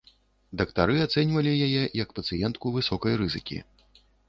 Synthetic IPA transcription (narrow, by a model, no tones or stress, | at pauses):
d̪ɐkt̪aɾɨat̪sɛnʲvɐlʲijajɛjɐkpɐt̪sɨjɛnt̪kuvɨsɔkɐjrɨzɨkʲḭ